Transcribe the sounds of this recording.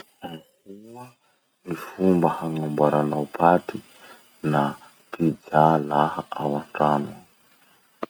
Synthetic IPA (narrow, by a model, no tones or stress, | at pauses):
akua | nifumbahaŋambaɾanawpʰat̪i | na | pid͡zalahaʔawaɳʈ͡ʂana